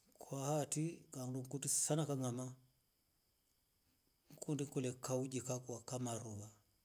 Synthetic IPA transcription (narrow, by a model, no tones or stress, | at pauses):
kʰwahatikaŋduŋ̩kutisanakaŋama | ŋ̩kundiŋkulɛkaud͡ʒikakwakamaɾuβa